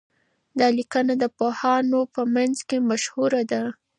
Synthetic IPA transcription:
d̪ɑlikənad̪əpohɑnopəmanzkemaʃhuɾad̪a

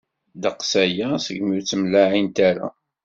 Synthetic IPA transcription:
d̪əqsæjæsəɡmiɾt͡sːəmlaʕint̪æɾa̰

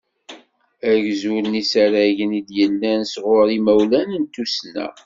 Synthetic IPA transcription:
æʝzulnisæɾæʝənid̪jəlːænsʁʊɾimæwlænənt̪ːusnæ̰

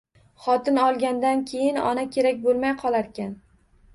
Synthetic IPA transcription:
χɒt̪ɪnɒlˠɡʲand̪ankʲʰe̞jɪnɒ̰nakʲʰe̞ɾakʲbolˠmajqʰɒlˠaɾkʲan

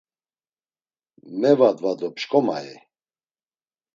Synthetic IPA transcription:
mɛvad̪vad̪ɔpʃkʼɔma̰ɛ

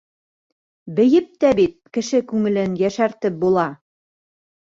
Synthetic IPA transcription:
bɘ̆jɘp̚t̪æbit̪̚kɘ̆ʃɘkʉŋɘ̆lɘnjæʃæɾt̪ɘp̚bulˠɑ

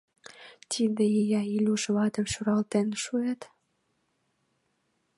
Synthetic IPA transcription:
t̪ʰid̪ejejɑilʲuʃβɑt̪ə̆mʃuɾɑlt̪enʃuet̪

